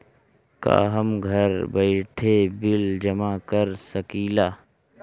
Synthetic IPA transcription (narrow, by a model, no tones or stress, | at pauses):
ka̰ːɦəmɡʱɐɾbəɪʈʰebɪld͡ʒɐmakəɾsəkiːlaː